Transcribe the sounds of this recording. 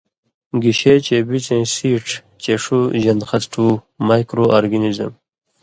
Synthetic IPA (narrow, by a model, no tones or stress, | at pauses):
ɡiɕet͡ɕebit͡sẽːsiːʈ͡ʂʰ | t͡ɕeʂuʑɐnd̪xɐt̪ʈʰu | majkɾoʔaɾɡinizə̰m